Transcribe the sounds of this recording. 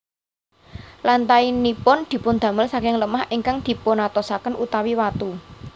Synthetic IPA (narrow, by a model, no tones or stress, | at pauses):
lant̪ainipʊnd̪̥i̤pʊnd̪̥ä̤məlsakɪŋləmahiŋkaŋd̪̥i̤ponat̪ɔsakənʔut̪awiwat̪u